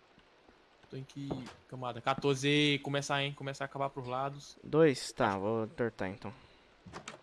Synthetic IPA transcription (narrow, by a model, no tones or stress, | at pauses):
t̪oẽkɪkɐ̃mad̪ɐkat̪oɾzɪekõmɛsaẽj̃kõmɛsaːkabapɾʊzlad̪ʊsd̪ojst̪avot̪oɾt̪aḛ̃nt̪ɐ̃w̃